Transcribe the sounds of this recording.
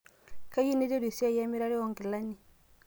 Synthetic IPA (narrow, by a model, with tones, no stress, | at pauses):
ka˦ji˦ne˦d͡ʒe˦ɾi˨si˦a˦˨ja˦mi˦ɾa˦ɾi˦ɔ˨ŋɡe˨la˦ɲi˨